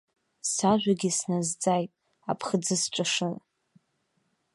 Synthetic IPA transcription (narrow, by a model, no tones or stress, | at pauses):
saʒʷaɡʲisnazd͡zajtʼ | a̰pʰχəd͡zɨsʈ͡ʂʷʼaʂɨn